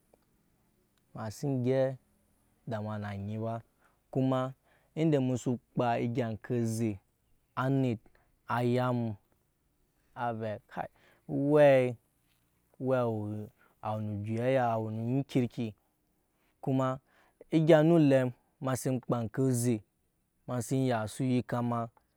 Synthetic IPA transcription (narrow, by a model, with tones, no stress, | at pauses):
ma˨si˦n˦ɡʲe˦ | da˨m˨a˨na˨ɲi˨ba˦ | ku˦ma˧ | i˦n˦de˨mu˧su˧k͡pa˧i˧ɡʲa˨n˨kʰe˧ze˨ | a˨˦ni˨t̚ | a˨ja˦m˧ | a˨ve˨kʰa̰˨˦ | we˦ | we˦˨w | a˨wu˨nu˨d͡ʒi˨ja˦ja˦˨wnu˨ɲi˦kʲi˦ɾkʲi˧ | ku˦ma˧ | i˦ɡʲa˧nu˦le˧m | ma˧si˧m˦k͡pa˨n˨ke˦ze˨ | ma˧si˦n˦ja˨su˦ji˦ka˦ma˧